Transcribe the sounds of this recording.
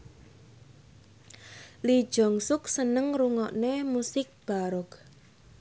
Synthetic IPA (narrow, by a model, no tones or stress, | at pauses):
li̥ʒ̥ɔ̤ŋsʊksənəŋɾuŋɔʔnemusɪk̚b̥aɾɔk